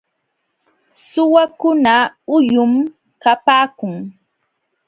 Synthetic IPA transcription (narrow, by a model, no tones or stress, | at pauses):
sʊwakʊnaʊjʊm | kapaːkʊŋ